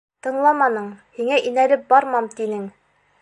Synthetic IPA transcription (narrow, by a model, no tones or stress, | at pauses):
t̪ɤ̆ɴlˠɑmɑnɤɴhiŋæʔinæɾɘp̚bɑɾmɑmt̪inɘŋ